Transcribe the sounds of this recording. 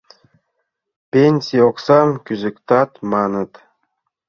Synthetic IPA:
pʲenʲsʲioqsɑmkʲyzɘ̆kt̪ɑt̪mɑnət̪

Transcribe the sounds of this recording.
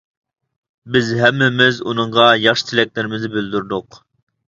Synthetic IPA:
bɪzɦɛmːɪmɪzunɨɴʁɑjɑχʃɨ̥t̪ʰɪlɛk̚ʲlɪɾɪmɪznɪbyld̪yɾd̪ʊq

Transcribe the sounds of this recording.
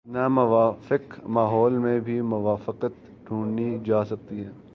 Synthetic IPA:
namʊʋaːfɪkmaːɦɔːlmẽbʱimʊʋaːfɪqət̪ | ɖʱũːɳnid͡ʒaːsɐk̚t̪iɦɛː

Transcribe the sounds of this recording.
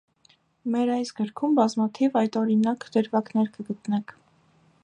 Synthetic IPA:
mɛɾɑjsɡəɾkʰumbɑzmɑt̪ʰivɑjt̪ɔɾinɑkd̪əɾvɑknɛɾkəɡət̪nɛkʰ

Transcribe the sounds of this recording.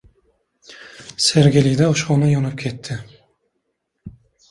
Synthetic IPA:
seɾɡʲelɪd̪aʊʃχɒnajɒnɪp̚kʲʰe̞t̪ʰːɪ

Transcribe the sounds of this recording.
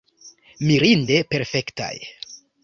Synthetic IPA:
miɾinde̞pe̞ɾfe̞kta̰j

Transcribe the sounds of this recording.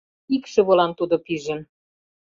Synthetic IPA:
ikʃɤ̆βolɑnt̪ud̪opiʒə̆n

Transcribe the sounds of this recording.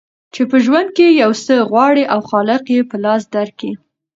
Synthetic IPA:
t͡ʃepəʒwand̪̚kejawsəɣwɑɽiʔawxɑlɪqjepəlɑs̬d̪aɾki

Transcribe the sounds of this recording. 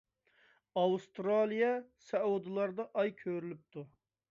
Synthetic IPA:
ɑwst̪ɾɑlˠijɑsɛud̪ɨlˠɑɾd̪ɑʔɑjkʲʰøɾylyp̚t̪ʰu

